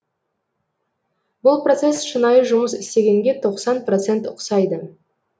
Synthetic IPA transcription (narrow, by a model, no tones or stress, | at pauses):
bʊlˠpro̞t̪se̞sʃənɑjəʒʊməsɪst̪e̞ɡʲe̞ŋɡʲe̞t̪ʰo̞qsɑnprot̪se̞nt̪ʊqsɑjd̪ə